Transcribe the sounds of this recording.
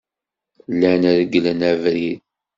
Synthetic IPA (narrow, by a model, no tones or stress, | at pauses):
lːænəɾəɡːlənævɾið